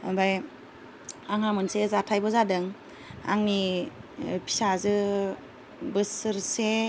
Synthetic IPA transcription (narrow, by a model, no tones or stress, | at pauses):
baj | aŋhamɯnsezatʰajbɔzadɯŋ | a̰ŋni | pʰi̥sazɯ | bɯsɯɾse